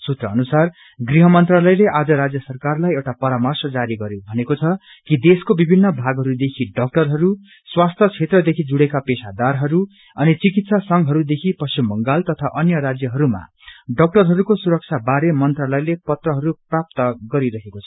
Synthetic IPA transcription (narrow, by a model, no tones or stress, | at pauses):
sut̪rʌːnusar | ɡriɦʌmʌnt̪ralʌjleʔad͡zʌɾad͡zjʌsʌrkarlajewʈapʌɾamʌrsʌd͡zaɾiɡʌɾjõbʱʌnekot͡sʰʌ | kid̪eskobibʱinːʌbʱaɡɦʌɾud̪ekʰiɖʌk̚ʈʌrɦʌɾu | swast̪ʰʌt͡sʰet̪rʌd̪ekʰid͡zuɽekapesad̪arɦʌɾu | ʌnit͡sikit̪sasʌŋɡɦʌɾud̪ekʰipʌst͡ɕimːʌŋɡalt̪ʌt̪ʰaʔʌnjʌɾad͡zjʌɦʌɾuma̰ | ɖʌk̚ʈʌrɦʌɾukosuɾʌk̚t͡sʰabaɾemʌnt̪ralʌjlepʌt̪rʌɦʌɾuprap̚t̪ʌɡʌɾiɾʌɦekot͡sʰʌ̥